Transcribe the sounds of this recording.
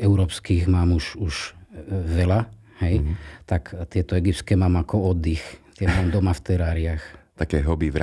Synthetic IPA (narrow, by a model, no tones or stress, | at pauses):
ɛʊɾɔːpskiːɣmaːmuʒuʒ | ʋɛla | hɛjt̪akt̪ɪɛt̪ɔɛɡip̚tskɛːmamakɔɔd̪ːixt̪ɪɛmaːmd̪ɔmaft̪ɛɾaːɾɪaxt̪akɛːɦɔbiʋɾ